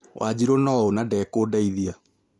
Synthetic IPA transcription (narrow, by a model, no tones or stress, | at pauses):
wʔad͡ʑiɾonɔɔonadɛkoːdaiðia